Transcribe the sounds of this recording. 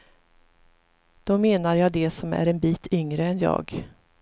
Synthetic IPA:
d̪̥ɔmeːnaɾjɑːd̪ɛsɔmæ̰ɾɛnbiːt̪ʰʏŋɾəɛnjɑ̰ːɡ

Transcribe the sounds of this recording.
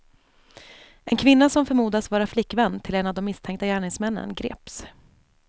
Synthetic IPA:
ʔɛnkʰvɪnːasɔmfœɾmuːd̪asvɑːɾaflɪkːvɛnːt̪ʰɪlɛnavd̪ɔmːɪst̪ʰɛŋk̚t̪ajæːɳɪŋsmɛnːə̰nɡɾḛːps

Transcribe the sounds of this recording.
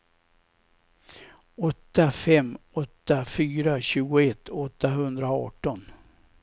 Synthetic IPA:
ɔt̪ːafɛmːɔt̪ːafyːɾaɕʉ̟ːɡʊɛt̪ʰːɔt̪ːaɦɵnd̪ɾaɑ̰ːʈɔn

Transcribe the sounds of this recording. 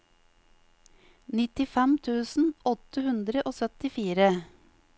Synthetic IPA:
nɪt̪ɪfɛmt̪ʰʉːsn̩ɔt̪əhʉnd̪ɾəʔoːsœt̪ɪfiːɾə

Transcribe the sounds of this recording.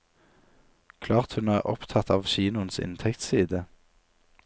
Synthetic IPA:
kʰlɑːʁt̪hʉnæːʁɔ̰pt̪ʰɑt̪ɑːʋʃiːnʊənsɪ̰nt̪ʰɛkt̪siːd̪ə

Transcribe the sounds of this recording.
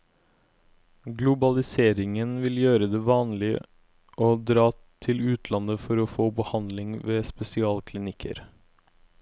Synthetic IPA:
ɡlʊbɑlɪseːɾɪŋənʋɪljøːɾəd̪eːʋɑːnlɪ | ʔoːd̪ɾɑː | t̪ʰɪlʉːt̪ʰlɑnəfɔɾoːfoːbəhɑnd̪lɪŋʋeːspɛsɪɑːlkʰlɪnɪkʰə̰ɾ

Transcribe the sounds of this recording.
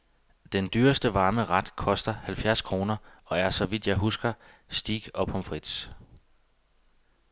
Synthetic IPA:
d̥end̥yɐsd̥əʋɑ̈ːməʁɑd̥kʰɒ̽sd̥ɐhælfjæɐ̰skʰʁo̝ːnɐɒ̽æɐsɒ̽ʋid̥jɑ̈ɪɦusɡ̥ɐ | sd̥iːɡ̥ɒ̽b̥ɒ̽mfʁid̥s

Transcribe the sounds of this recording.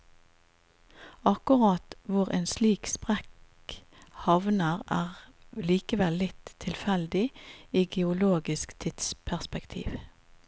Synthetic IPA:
ɑkʊʁɑːt̪ʋʊʁḛːnsliːkspʁɛk | hɑʋnəʁæːʁliːkəʋɛlːɪt̪ʰːɪlfɛld̪ɪiːɡɛʊloːɡɪskt̪ʰɪd̪̥spʰæʁspɛkt̪ʰḭːʋ

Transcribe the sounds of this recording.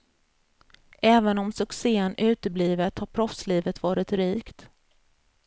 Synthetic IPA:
ʔɛːvənɔmsɵkseːənʔʉ̟ːt̪əbliːvət̪haɾpʰɾɔfsliːvət̪vɑːɾɪt̪ɾiːkt̪

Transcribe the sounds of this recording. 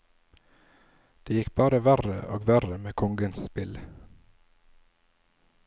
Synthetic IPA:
d̪̥eːjɪkbɑːɾəʋæɾə̰ʔo̰ːɡʋæɾəmeːkʰɔŋɡənsspɪl

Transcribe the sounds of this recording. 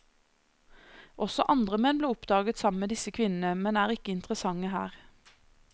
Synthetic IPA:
ʔɔsɔʔɑnd̪ʁəmɛnbleːʊpd̪ɑːɡət̪sɑməmeːd̪ɪsəkʰʋɪnn̩əmɛnæːʁɪkəɪnt̪ʁəsɑŋəɦæ̰ːʁ

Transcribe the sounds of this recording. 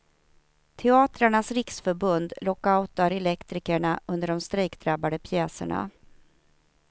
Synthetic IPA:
t̪ʰɛɑːt̪ɾaɳasɾɪksfœɾbɵnd̪lɔkːaʊt̪aɾɛlɛkt̪ɾɪkəɳaʔɵnd̪əɖɔmst̪ɾɛːkd̪ɾabːad̪əpʰjɛːsə̰ɳa̰

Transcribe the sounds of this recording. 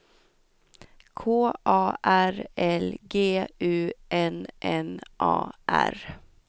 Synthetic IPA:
kʰoːʔɑːʔæɾɛlɡeːʉːʔɛnʔɛnʔɑ̰ːʔæ̰ɾ

